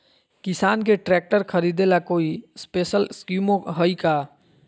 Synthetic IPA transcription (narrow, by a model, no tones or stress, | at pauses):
kisankeʈɾɛk̚ʈəɾkʰəɾid̪elakoispesəlskjumoɦəjka